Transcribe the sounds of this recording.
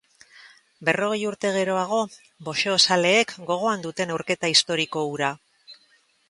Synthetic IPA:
be̞ro̞ɣ̞e̞juɾt̪e̞ɣ̞e̞ɾo̞aɣ̞o̞ | bo̞ʃeːsale̞ːkɡo̞ɣ̞o̞and̪ut̪e̞newɾke̞t̪aist̪o̞ɾiko̞uɾa

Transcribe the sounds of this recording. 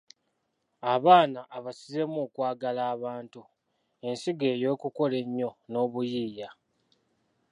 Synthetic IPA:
aβaːnaʔːβasize̞moːkwaːɡalaːβaːntu | e̞nsiɡe̞ːjo̞ːkuko̞le̞ɲːo̞no̞ːβujiːja

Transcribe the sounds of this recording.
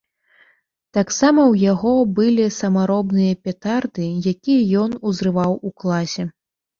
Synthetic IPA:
t̪aksamɐwjaɣɔbɨlʲisɐmaɾɔbnɨjɐpʲat̪ard̪ɨjakʲijɐjɔnuzɾɨvawuklˠasʲɛ

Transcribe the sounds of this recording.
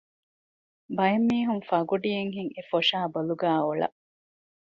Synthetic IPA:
bɐjɐmːiːɦuŋfɐɡuɖijeŋɦiŋefoʂaːbɐluɡæːoɭɐ̰

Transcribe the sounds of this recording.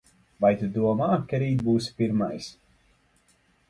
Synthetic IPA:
vajt̪ud̪uɔmaːkaɾiːt̪̚buːspiɾmajs

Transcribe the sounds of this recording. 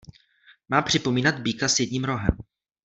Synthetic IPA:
maːpr̝̥ɪpo̞miːnad̪̚biːkasjɛdɲiːmɾo̞ɦɛ̰m

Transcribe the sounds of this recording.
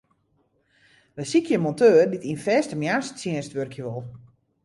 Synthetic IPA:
ʋəsikʰjəmɔntøːərditinfɛːstəmjaːst͡sjɛənstʋørkʰjəʋolˠ

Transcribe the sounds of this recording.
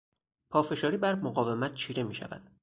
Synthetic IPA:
pʰɒːfe̞ʃɒːɾiːbæɾmoɢɒːve̞mæt̪̚ʰt͡ʃʰiːɾe̞miːʃæ̰væ̰nd̪̥

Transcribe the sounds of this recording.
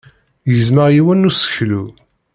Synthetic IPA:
jəzməʁjiwænːusə̥çlu

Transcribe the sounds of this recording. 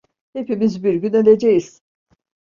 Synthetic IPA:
he̞pimizbiɾɟynelʲed͡ʒejiz̥

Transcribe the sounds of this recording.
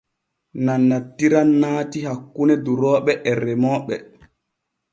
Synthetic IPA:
nanːatːiɾanːaːtihakːunɛduɾɔːɓɛʔɛrːɛmɔːɓɛ̰

